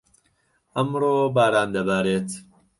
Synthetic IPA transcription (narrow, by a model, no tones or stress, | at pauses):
ʔɐmɾoːbaːɾaːnd̪ɐbaːɾeːt̪